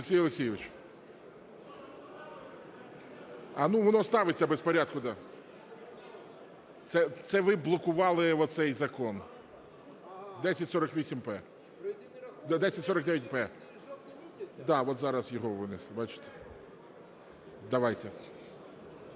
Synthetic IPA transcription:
ɪksʲijɔlˠɪksʲijɪʋɪt͡ʃ | ɐnuʋɔnɔst̪ɑʋɪt͡sʲːɐbespɔɾʲad̪̚kʊd̪ɑ | t̪sɛt̪sɛʋɪblˠɔkʊʋɑlˠɪʋɔt̪sɛjzɐkɔn | d̪ɛsʲɐtʲsɔɾɐkʋʲisʲimpɛ | d̪ɛsʲɐtʲsɔɾɐk̚d̪ɛjʲɛt̚ʲpɛ | d̪ɑʋɔt̪zɑɾɐzjɔɦɔʋɪnɪsˠbɑt͡ʃɪ̥t̪e̥ | d̪ɐʋajt̪ɛ

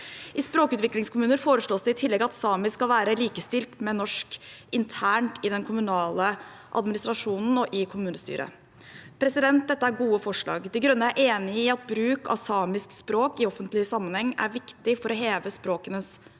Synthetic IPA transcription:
ʔɪspɾoːkʉːt̪ʋɪklɪŋskʰʊmʉːnəɾfoːɾəʂɭoːsd̪ɛɪt̪ʰɪlːɛɡɑt̪sɑːmɪskɑlʋæːɾəliːkəst̪ɪlt̪mɛnɔʂkɪnt̪ʰæːɳʈɪd̪ɛnkʰʊmʉnɑːlə | ʔɑ̰d̪mɪnɪst̪ɾɑʂuːnn̩ɔʔɪkʰʊmʉːnəst̪y̰ːɾə̰ | pʰɾɛsɪd̪ɛnt̪̚d̪ɛt̪ːəæɾɡuːəfɔʂɭɑ̰ːɡd̪ɪɡɾʉnːəæɾʔeːnɪɪɑt̪̚bɾʉːkʰɑ̰ʋsɑːmɪskspɾoːkɪɔfənt̪lɪsɑmːənhɛŋːæ̰ɾʋɪkt̪ɪfɔɾɔɦeːʋəspɾoːkənəs

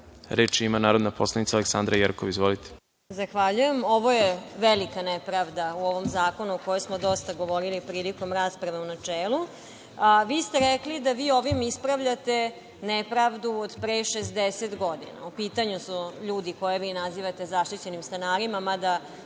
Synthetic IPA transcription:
ɾeːt͡ʃimanaːɾod̪napʰoslˠanit̪saleksand̪ɾajeɾkoʋizʋolit̪e̥ | zaxʋaʎuje̞mo̞ʋo̞jeʋelikanepɾaʋd̪auo̞ʋo̞mzaːko̞nuoko̞josmod̪o̞st̪aɡo̞ʋo̞ɾilipɾiːliko̞mɾaːspɾaʋeunat͡ʂeːlˠu | ʋiːst̪eɾeklid̪aʋiːo̞ʋimispɾaʋʎat̪e̞ | nepɾaʋd̪uod̪pɾeʃesd̪eset̪ɡod̪ḭna̰upiːt̪aɲusuʎuːd̪iko̞jeʋiːnaziʋat̪ezaʃt̪it͡ɕe̞nimst̪anaːɾimamad̪a

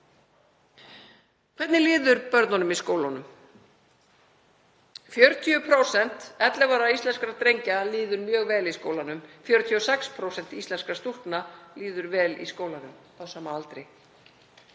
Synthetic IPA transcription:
kʰv̥ɛt̪nɪlɪːðʏɾpœɾt̪nanʏmiskoːwlanʏm | fjœɾt̪ʰiʏpʰɾowsɛn̥t̪ɛt̪lɛvaɾaist̪ɛnskɾat̪ɾejɲcaliːðʏɾmjœːɣvɛːliskoːwlanʏmfjœɾʏt̪ʰiɔsɛkspʰɾowsɛnt̪ist̪lɛnskast̪ur̥knaliːðʏɾvɛːlḭskoːwlanʏm | awsaːmaalt̪ɾej

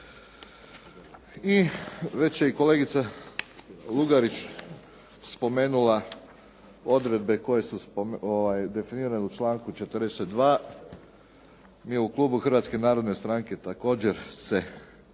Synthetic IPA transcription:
iʋe̞t͡ɕjeiko̞le̞ɡit̪sa | luɡaɾit͡ɕ | spo̞me̞ːnula | o̞d̪ɾe̞d̪be̞ko̞je̞suspooʋajd̪e̞finiːɾaneut͡ʃlaːŋkut͡ʃe̞t̪əɾd̪eset̪̚d̪ʋaː | mijeuklˠuːbuxr̩ʋat̪ske̞naːɾo̞d̪ne̞st̪ɾaːŋke̞t̪ako̞ːd͡ʑe̞ɾse̞

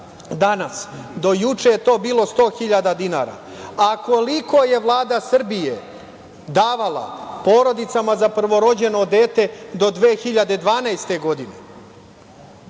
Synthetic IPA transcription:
d̪anasd̪o̞jut͡ʂejet̪o̞ːbiːlˠo̞st̪o̞ːxiʎad̪ad̪ina̰ːɾa̰ | ako̞liko̞je̞ʋlˠaːd̪asr̩bije | d̪aːʋalˠa̰po̞ːɾo̞d̪it̪samazapr̩ʋo̞ɾo̞d͡ʑe̞no̞d̪eːt̪e̞d̪o̞d̪ʋeːxiʎad̪ed̪ʋaːnajst̪e̞ɡo̞d̪inḛ

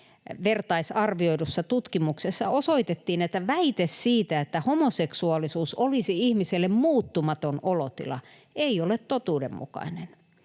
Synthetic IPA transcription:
ʋert̪ɑisɑrʋioidusːɑt̪ut̪kimuksesːɑosoit̪et̪ːiːnet̪ːæʋæit̪essiːt̪æet̪ːæhomoseksuɑlːˑisuːsolisiihmiselːemmuːt̪ːumɑt̪onolot̪ḭlɑ̰ | eiolet̪t̪ot̪uːdḛmmṵkɑ̰inen

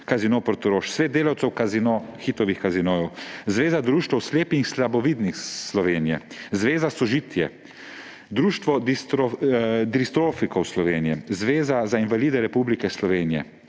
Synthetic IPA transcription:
kazinoːpɾɔt̪ɔɾoːʃsʋeːd̪̚d̪eːlawtsɛwkazinoxiːt̪ɔʋixkazinoːjɔwzʋeːzad̪ɾuːʃt̪ɛwsleːpixslabɔʋiːd̪nixslɔʋeːnijɛ̰zʋeːzasɔʒiːt̪jɛ | d̪ɾuːʃt̪ʋɔd̪ist̪od̪ɾist̪ɾoːfikɔwslɔʋeːnijɛzʋeːzazainvaliːd̪ɛɾɛpublikɛslɔʋeːnijɛ̰

